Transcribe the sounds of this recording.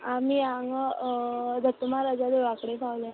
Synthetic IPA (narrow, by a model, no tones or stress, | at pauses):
amiaŋɡ | d̪ʱət̪ːumaɾəd͡zad̪eʋakɽepawla